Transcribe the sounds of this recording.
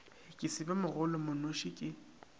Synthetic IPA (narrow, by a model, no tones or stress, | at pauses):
ɪkʼɪsɪbɛmʊɣʊlɔmʊnoʃɪkʼɪ